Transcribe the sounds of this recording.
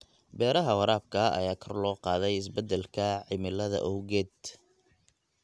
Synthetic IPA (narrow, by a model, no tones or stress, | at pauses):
bɛːɾɐɦɐwɑɾaːb̚kʰɐɐ̰jaːkʰɐrlɔːqɑːðɛjɪsbɛd̪ːɛlkʰɐʕɪmɪlɐðɐ̰ʔɔwɣɛːd̪